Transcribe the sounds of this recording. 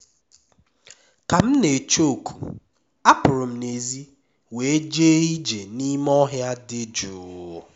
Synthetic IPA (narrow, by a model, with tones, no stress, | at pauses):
ka˨m̩˦ne˨t͡ʃo˦˨kʰu˨ | a˦pʊ˨ɾʊ˨m̩˦ne˨zi˦ | we˨e˦d͡ʒe˦i˦d͡ʒe˨ni˦mɔ˦ɦja˦dɪ˦d͡ʒu˨